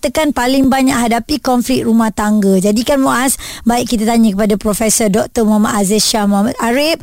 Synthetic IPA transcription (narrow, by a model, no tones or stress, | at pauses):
t̪əkanpalɪŋbaɲãʔɦadapikɔnflɪk̪̚ɾumaht̪aŋɡəd͡ʒadikanmoʔasbaiʔkit̪at̪aɲə̃kəpadapɾofɛsɔrdɔk̚t̪əmamaʔ̪azeʃamamat̪̚aɾip̚